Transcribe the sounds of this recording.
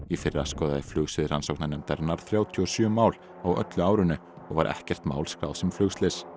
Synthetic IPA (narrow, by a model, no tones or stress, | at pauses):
ifɪrːaskɔːðaðɪflʏɣsɪðr̥ansowknanɛmt̪aɾnaɾ̥θɾjaːwt̪ʰːɔsjʏːmaːwl | awœ̰t̪lʏaːwɾʏnːʏ | ɔɣvaɾʔɛ̰hcɛr̥t̪ma̰ːwlskɾaːwðsɛmflʏɣst̪lɪs